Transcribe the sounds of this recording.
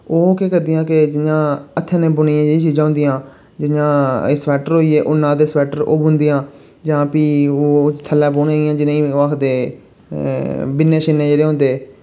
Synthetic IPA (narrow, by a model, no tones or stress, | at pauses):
oːkeːkəɾd̪ijãːkɪd͡ʒɪnjãːət̪ʰːẽːnẽːbʊniːãd͡ʒeːɽĩːt͡ʃiːd͡ʒãːʊ̃ːnd̪ijãː | d͡ʒɪjãːsʋɛːʈəɾɦoːiːeːʔʊnːãːd̪eːsʋɛːʈəɾo̰ːbʊ̃nd̪iːjãː | d͡ʒãːpiːoːt̪ʰəlːãːboːneːijãːd͡ʒɪneĩːakʰd̪eː | bɪnːẽːʃɪnːẽːd͡ʒeːɽeːɦõːnd̪eː